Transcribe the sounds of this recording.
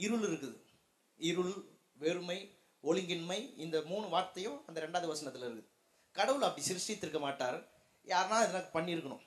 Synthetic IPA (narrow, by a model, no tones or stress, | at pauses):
ɪɾɯɭɪɾɯkːɯðɯ | ɪɾɯɭ | ʋeːɾɯmɐɪ | ɔɭɪŋɡɪnmɐɪɪnd̪ɐmuːɳɯʋaːɾt̪ɐjʊ̃ɐnd̪ɐɾɛɳɖaːðɯʋɐsɐnɐt̪ːɪlɪɾɯkːɯðɯ | kɐɽɐʋɯlɐpːɐɽisɪɾɯsɪjt̪ːɪɾɯkːɐmaːʈːaːɾ | jaːɾnãːɪðɐnɐkːɯpɐɳːɪɾɯkːɐɳʊ̰̃m